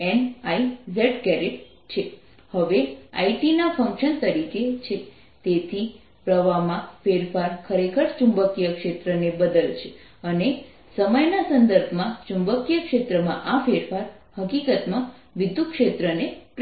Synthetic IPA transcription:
ɛnaizeʈkɛɾeʈ | t͡ʃʰe | həʋea̰iʈinafə̃ŋkʃənt̪əɾiket͡ʃʰe | t̪et̪ʰi | pɾəʋamãfeɾfaɾkʰəɾekʰəɾt͡ʃũmbəkijəkʃet̪ɾənebəd̪əlt͡ʃʰe | əne | səməjnasənd̪əɾbʱmãt͡ʃũmbəkijəkʃet̪ɾəmã̰ʔafeɾfaɾ | həkikət̪mã | ʋɪd̪ukʃet̪ɾənep

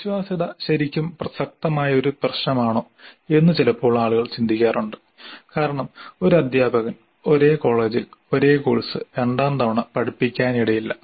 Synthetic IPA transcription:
ʋiɕʋaːsiðɐɕɐɾikʲːumprɐsɐk̚t̪ɐmaːjɐo̞ɾuprɐɕɳɐmaːɳoːe̞nːɨt͡ɕilɐpːo̞ːɭːaːɭuɣɐɭt͡ɕind̪ʱikʲːaːruɳɖɨ | kaːɾɐɳɐmo̞ɾuɐd̪ʱjaːbɐɣɐn | o̞ɾe̞ːko̞ːɭe̞ːd͡ʑilo̞ɾe̞ːkoːɻisɨeɳɖaːnt̪ɐʋɐɳɐpɐɽipːikʲːaːniɽɐjilːɐ

